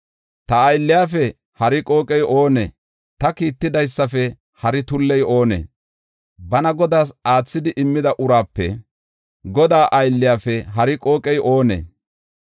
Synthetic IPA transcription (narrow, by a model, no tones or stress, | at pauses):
t̪ɐɐjlːɪjaːfɛ | hɐɾɪkʼo̞ːkʼɛjo̞ːnɛ̰ | t̪ɐkiːt̪ːɪd̪ɐjsːɐfɛ | hɐɾɪt̪ʊlːɛjo̞ːnḛː | bɐnɐɡɔd̪aːsaːt͡sːɪd̪ɪʔɪmːɪd̪ɐʔʊɾaːpːɛ̰ | ɡɔd̪aːʔɐjlːɪjaːfɛɦɐɾɪkʼo̞ːkʼɛjʔo̞ːnḛː